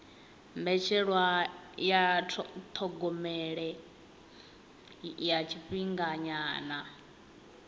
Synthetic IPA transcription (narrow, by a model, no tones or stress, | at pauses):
mbɛt͡ʃʰɛɺwajat̪ʰɔɡɔmɛɺɛ | jat͡ʃʰiɸiŋɡaɲaːna